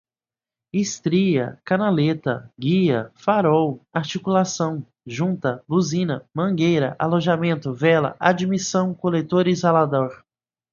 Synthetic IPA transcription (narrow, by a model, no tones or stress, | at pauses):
ist̪ɾiɐ̰kɐnalet̪ɐ̰ɡiɐfaɾɔwaɾt͡ʃikulasɐ̃w̃ | ʒũnt̪ɐbuzĩnɐmɐ̃ɡejɾɐʔaloʒamẽnt̪ʊvɛlɐ̰ʔad͡ʒimisɐ̃w̃kolet̪oɾizalad̪ɔɾ